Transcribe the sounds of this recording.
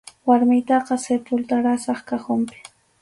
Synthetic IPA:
waɾmɪjt̪ɑqɑsepʊlt̪aɾasɑχkaχʊmpɪ̥

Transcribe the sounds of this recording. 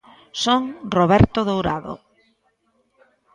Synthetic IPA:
soŋroβɛɾt̪oðowɾaðo̰

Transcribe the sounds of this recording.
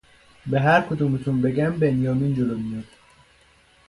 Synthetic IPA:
beɦæɾkʰod̪uːmet̪ʰunbeɡæmbenjɒːmiːnd͡ʒolomijɒːd̪̥

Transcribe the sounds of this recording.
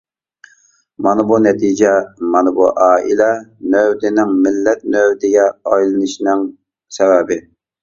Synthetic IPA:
mɑnɨbunɛt̪ʰid͡ʒɛmɑnɨbṵʔɑːʔḭlɛnøwd̪ɪnɪŋmɪlːɛt̪̚nøwd̪ɪɡʲɛɑjlˠɨnɨʃnɪŋ | sɛvɛbɪ

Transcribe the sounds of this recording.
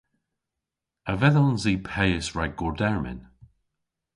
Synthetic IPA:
əvɛðɔlnziːpʰɛjɪsɹaɡɔɹdɛɹmɪ̰n

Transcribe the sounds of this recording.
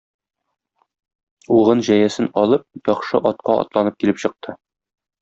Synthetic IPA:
uʁɤnʑæjæsɘnɒlˠɤp̚jɒχʃɤʔɒt̪̚qɑʔɒ̰t̪lˠɑnɤp̚kilɘpɕɤ̆q̚t̪ʰɤ

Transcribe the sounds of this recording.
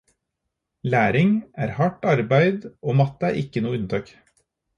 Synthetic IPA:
læːɾɪŋæːɾhɑʈɑɾbæɪd̪oːmɑt̪æːɾʔɪkənuːʉnt̪ʰɑːk

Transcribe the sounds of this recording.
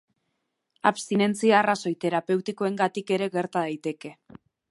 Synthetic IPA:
aβst̪ine̞nt͡siaːraso̞jt̪e̞ɾape̞wt̪iko̞e̞ŋɡat̪ike̞ɾe̞ɣe̞ɾt̪aðajt̪e̞ke̞

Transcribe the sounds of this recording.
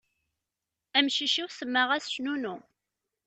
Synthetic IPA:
æmʃiʃiwsəmːəʁæsʃnunu

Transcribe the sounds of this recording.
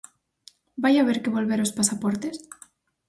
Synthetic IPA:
bajaβ̞eɾkeβo̞lβeɾospasapoɾt̪es

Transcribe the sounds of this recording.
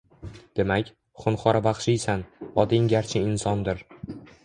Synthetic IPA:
d̪̥e̞makʲ | χʊnχɒɾabɑχʃɪjsanɒd̪ɪŋɡʲaɾt͡ʃʰɪɪnsɒnd̪ɪɾ

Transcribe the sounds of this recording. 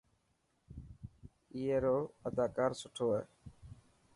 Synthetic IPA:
ijeːɾoːəd̪aːkaːɾsʊʈʰoːɛː

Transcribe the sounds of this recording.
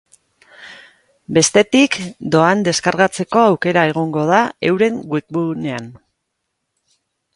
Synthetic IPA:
be̞st̪e̞t̪ikd̪o̞and̪e̞skaɾɣat͡se̞ko̞awke̞ɾae̞ɣ̞o̞ŋɡo̞ðae̞wɾe̞ŋɡwikbune̞an

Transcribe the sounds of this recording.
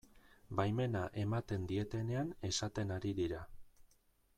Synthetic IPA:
bajme̞naʔe̞mat̪e̞nd̪ie̞t̪e̞ne̞ane̞sat̪e̞naɾiðiɾa

